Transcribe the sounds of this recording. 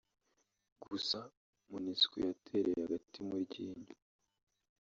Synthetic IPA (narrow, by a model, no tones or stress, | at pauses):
ɡusa | muniskijatʰe̞ɾejehaɡatimuɾɟiːɲa